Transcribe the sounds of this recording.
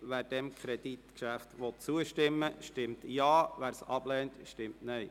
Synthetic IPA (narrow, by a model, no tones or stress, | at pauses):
ʋæːɾd̥ɛmkʰɾɛd̥it̪kʃæftʋɔt̚t͡suəʃtɪmːəʃtɪmtjɑːʋæːɾsɑb̥lɛːntʃtɪmtnœj